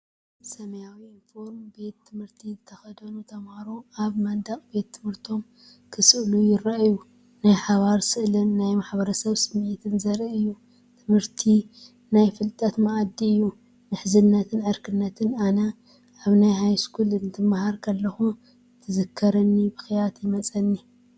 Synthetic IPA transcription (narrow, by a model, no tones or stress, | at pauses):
sɐmɐjawiinfo̞ɾmbe̞t̪ʰːɨmhɨɾt̪ʰizɨt̪ʰɐxɐd̪ɐnut̪ʰɐmhaɾuʔaβmɐd̪akʼbe̞t̪ʰːɨmhɨɾt̪ʰo̞m | kʰɨsɨʔlujɪɾaʔju | najħaβaɾsɨʔlɨnːajmaħbɐɾɐsɐβsɨmʔit̪ʰɨnzɐɾiɨjːu | t̪ʰɨmhɨɾt̪ʰi | najfɨlt̪ʼɐt̪maʔd̪ːiɨjːu | nɨħzɨnːɐt̪ʰɨnʕɨɾkʰɨnːɐt̪ʰɨnanɐ | ʔaβnajhajskʰulɨnt̪ʰɨmːahaɾkʰɐlːɐxu | t̪ʰɨzɨkʰːɐɾɐnːibɨxjat̪jɪmɐt͡sʼɐnːi